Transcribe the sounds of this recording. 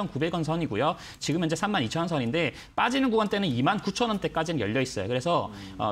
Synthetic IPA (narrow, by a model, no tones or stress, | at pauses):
ʌnkube̞ɡʌns̬ʰʌɲiɡujo | t͡ɕiɡɯmjʌnd͡ʑe̞sʰamːanit͡ɕʰʌnsʰʌɲinde̞ | p͈ad͡ʑinɯnɡuwant͈e̞nɯnimankut͡ɕʰʌnʌnt͈ek͈ad͡ʑinɯnjʌ̰ʎːʌis͈ʌjo̰kɯɾesʰʌ | ʌ̰